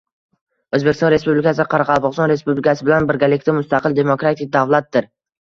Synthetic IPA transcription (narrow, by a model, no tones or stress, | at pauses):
ɵzbekʲɪst̪ɒnɾe̞spublɪkʰʲasɪqʰɑɾɑqʰɑlˠpɒqsɒnɾe̞spublɪkʰʲasɪbɪlanbɪɾɡʲalɪkʲt̪amʊst̪aqɨlˠd̪e̞mokɾat̪ʰɪk̚ʲd̪avlˠat̪̚d̪ɪɾ